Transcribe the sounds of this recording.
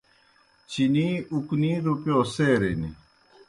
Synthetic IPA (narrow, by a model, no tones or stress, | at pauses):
t͡ɕiniukniːɾupjoːseːɾenḭ